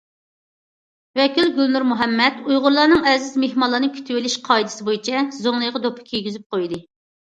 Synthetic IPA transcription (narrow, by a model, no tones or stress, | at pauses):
vɛkʲilɡʲylnuɾmuɦɛmːɛt̪ujʁʊɾlˠɑɾnɨŋɛzɪzmehmɑlˠːɑnɨkʲʰy̥t̪ʰywɪlɪʃqʰɑjd̪ɨ̥sɪbojit͡ʃʰɛzoŋlˠɨjʁɑd̪opʰɨ̥kʲʰijɡʲizyp̚qʰojd̪ɨ